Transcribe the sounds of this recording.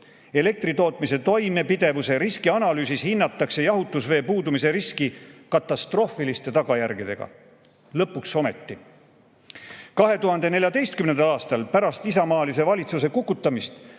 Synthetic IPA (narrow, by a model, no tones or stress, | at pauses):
e̞le̞k̚t̪ɾit̪o̞ːt̪ˑmise̞t̪o̞jme̞pid̪e̞vuse̞ɾiskiɑnɑlyːsishinːɑt̪ːˑɑkse̞jɑɦut̪ːˑusve̞ːpuːd̪umis̬e̞ɾiskikɑt̪ːˑɑst̪ro̞filist̪e̞t̪ɑɡ̥ɑjæɾɡ̥id̪̥e̞ɡ̥ɑ̰ | lɤpːˑukso̞me̞t̪ːi | kɑɦe̞t̪uɦɑnd̪e̞ne̞lʲjɑd̪e̞jst̪̚kymnend̪ɑlɑːst̪ɑlpæɾɑst̪isɑmɑːlis̬e̞vɑlʲit̪sus̬e̞kukːˑut̪ˑːɑmist̪